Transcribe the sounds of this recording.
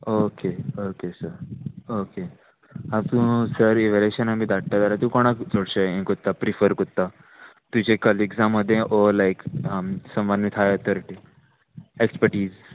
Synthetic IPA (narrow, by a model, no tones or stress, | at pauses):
okeokesəɾoke | at̪ũsəɾeʋeleɕənamiːd̪aɽ̚ʈ̪ad̪aɾat̪ũkoɽ̃akd͡zoɽɕəẽkot̪ːapɾifəɾkut̪ːa | t̪ut͡ɕekəliɡzãmːəd̪ʱːjẽʔolajkəmsə̃mʋanmit̪ʰɦajət̪əɾʈi | ekspəɾʈiːz